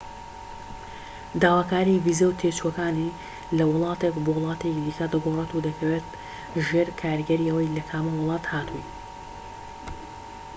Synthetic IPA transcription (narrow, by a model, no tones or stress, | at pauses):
d̪aːwaːkaːɾivizɐwt̪ʰet͡ʃuɐkaːni | lɐwɨlˠɑːt̪ekbowlˠɑːt̪ekd̪iːkɐd̪ɐɡoret̪ud̪ɐkʰɐweːt̪̚ | ʒeːɾkʰaːɾɡɐɾiɐwɐjlɐkʰaːmɐwɨlˠɑːt̪haːt̪ʰuj